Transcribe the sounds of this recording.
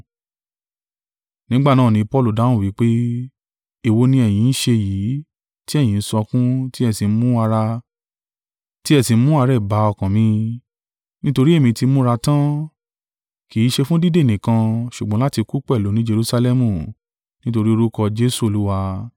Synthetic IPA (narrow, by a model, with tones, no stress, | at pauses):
nĩ˦ɡ͡ba˦˨nãː˦˨nĩ˧˦pɔ˧lu˨da˨˦nũ˦˨wi˨˦k͡pe˦ | i˧˨wo˧nĩ˧ɛ˨j̃ĩ˨˧n̩˦ʃe˧jiː˨˦ | ti˦ɛ˦˨j̃ĩ˨n̩˦sɔ˧kũ˦ti˦ɛ˧˨si˧˦mũ˦a˧ɾa˧ | ti˦ɛ˧˨si˨˧˦mũ˦a˧ɾɛ˦˨ba˨˦ɔ˧˨kã˨mĩ˧ | nĩ˦to˧ɾi˦e˦˨mĩ˧ti˧˦mũ˦ɾa˧tã˦ | ki˨˦ʃe˧fũ˦di˦de˦˨nĩ˨kã˧ʃu˨ɡ͡bã˨˦la˦ti˧ku˦k͡pɛ˦˨lo˨˦nĩ˦d͡ʒe˧ɾu˧sa˧lɛ˦mũ˦˨ | nĩ˦to˧ɾi˦o˧ɾu˦kɔ˧d͡ʒe˦su˦˨o˨lu˦wa˧